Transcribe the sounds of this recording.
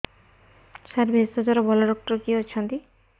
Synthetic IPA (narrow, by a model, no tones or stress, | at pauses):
ʃaɾbʱest̪ɔd͡ʒɔɾɔbɔlaɖɔk̚ʈɔɾkiɦot͡ʃʰɔnt̪i